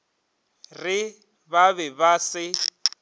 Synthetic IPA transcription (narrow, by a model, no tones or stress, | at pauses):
rɪ | baβɛbasɪ